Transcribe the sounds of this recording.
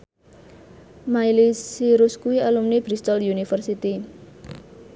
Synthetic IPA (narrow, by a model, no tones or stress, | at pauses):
majlisiɾuskuialumnib̥ɾist̪ɔljunifərsit̪i